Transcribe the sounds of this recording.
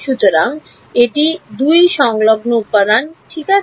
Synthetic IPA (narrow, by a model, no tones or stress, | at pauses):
ʃut̪oɾaŋ | eʈid̪ujʃɔŋloɡnoupːad̪anʈʰika